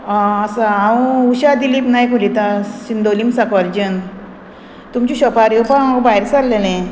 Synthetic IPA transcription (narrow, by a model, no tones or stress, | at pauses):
aəsaaũuɕad̪iliːpnajkulit̪aɕind̪olimsakaɾd͡ʑən | t̪umt͡ɕiɕɔpaɾjepamaɡbaiɾsalːelẽ